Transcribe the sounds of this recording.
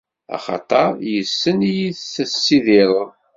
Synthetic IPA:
ɑ̰χɑ̰t̪ˤɑɾˤjəsːənijiθθəsːiðɪɾˤ

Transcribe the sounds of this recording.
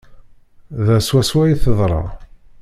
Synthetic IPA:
ðæswæswæjiθəðˤɾˤɑ̰

